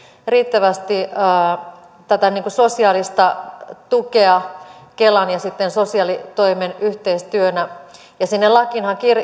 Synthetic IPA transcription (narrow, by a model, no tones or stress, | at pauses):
riːt̪ːæʋæst̪iː | t̪æt̪æniːŋkusosiɑːlist̪ɑt̪ukeɑkelɑnjɑsit̪ːensosiɑlit̪oimenyht̪eist̪yønæ | jɑsinːelɑkinhɑkir